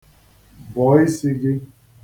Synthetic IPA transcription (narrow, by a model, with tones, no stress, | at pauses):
bɔ˨˦i˦si˦ɡɪ˦